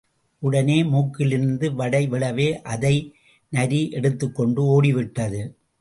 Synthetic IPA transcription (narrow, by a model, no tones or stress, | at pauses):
ʔʊɽɐneːmuːkːɪlɪɾɯnd̪ɯʋɐɽɐɪʋɪɭɐʋeːʔɐðɐɪ | nɐɾiʔɛɽɯt̪ːɯkːɔɳɖɯoːɽɪʋɪʈːɐðɯ